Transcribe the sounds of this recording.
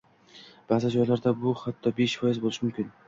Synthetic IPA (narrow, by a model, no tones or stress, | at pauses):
b̥azɪd͡ʒɒjlaɾd̪abʊhat̪ʰːɒbe̞ʃfɒjɪzbolˠɪʃɪmʊmkʲʰɪn